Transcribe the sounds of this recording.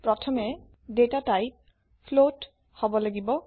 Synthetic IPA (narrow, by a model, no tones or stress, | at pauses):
pɹɔtʰɔmɛ | detataj | pʰlot | hɔbɔlaɡibɔ